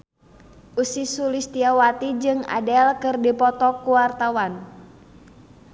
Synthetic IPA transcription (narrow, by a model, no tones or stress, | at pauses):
ʔusisulist̪iawat̪id͡ʒɨŋa̰dɛlkɨrdipɔt̪ɔkuwart̪awan